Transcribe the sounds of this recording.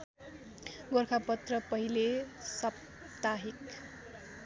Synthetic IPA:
ɡorkʰapʌt̪rʌpʌɦilesʌp̚ | t̪aɦik

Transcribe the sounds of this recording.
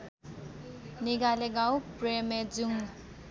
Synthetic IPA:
niɡaleɡawpremed͡zuŋ

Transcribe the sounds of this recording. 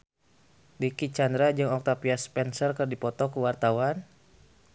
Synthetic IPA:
dikit͡ʃandɾad͡ʒɨŋɔk̚t̪apiaspɛnsərkərdipɔt̪ɔkuwart̪awan

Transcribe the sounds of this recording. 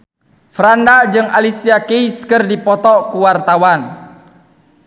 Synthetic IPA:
fɾandad͡ʒɨŋalisiakeiskɨrdipɔt̪ɔkuwart̪awan

